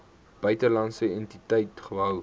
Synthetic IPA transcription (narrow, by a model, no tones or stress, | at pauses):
b̥œɥtəlɐnsəɛntitɛjtχəɦœw